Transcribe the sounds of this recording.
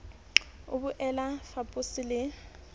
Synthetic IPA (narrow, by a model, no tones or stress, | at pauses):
ʊbʊʔɛlafapʼʊsɪlɪ